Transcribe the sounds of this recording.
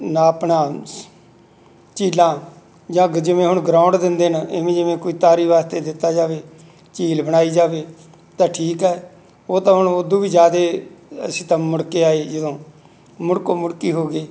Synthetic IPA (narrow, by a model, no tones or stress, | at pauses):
naːəpɳãː | t͡ʃiːlãː | d͡ʒãːɡd͡ʒɪʋẽːɦʊɳɡɾaːʊɳɖd̪ɪnd̪eːnɪʋẽːd͡ʒɪʋẽːkoiːt̪aːɾiːʋaːst̪eːd̪ɪt̪ːaːd͡ʒaːʋeː | t͡ʃiːlbəɽ̃aːiːd͡ʒaːʋeː | t̪ãːʈʰiːkɛː | oːt̪ãːɦʊɳʊd̪õːʋiːd͡ʒjaːd̪eːəsĩːt̪ãːmʊɽkeːaːeːd͡ʒəd̪õː | mʊɽkõːmʊɽkiːɦoːɡeː